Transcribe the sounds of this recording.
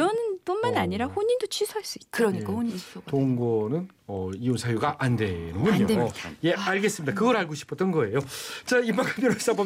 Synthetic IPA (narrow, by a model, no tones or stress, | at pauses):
ʌnɯnp͈unmanaɲiɾaɸoɲindot͡ɕʰɥisʰoɦaɭs͈uiɯɾʌɲik͈ahoɲiotoŋɡʌnɯn | ʌionsʰajuɡaʔande̞nɯnbuɲiɲoje̞aɭɡe̞s͈ɯmɲidakɯɡʌɾaɭɡoɕʰi̥pʰʌt͈ʌnɡʌe̞jot͡ɕaipakʰapjonas͈abʌ